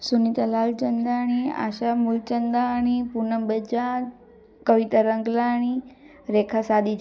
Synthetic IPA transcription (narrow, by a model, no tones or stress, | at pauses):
sunit̪alalt͡ʃənd̪aɳ̃ia̰ːʃamult͡ʃənd̪aɳ̃ipunəbəd͡ʒa | kəʋit̪əɾəŋɡlaɽ̃i | ɾekʰasad̪i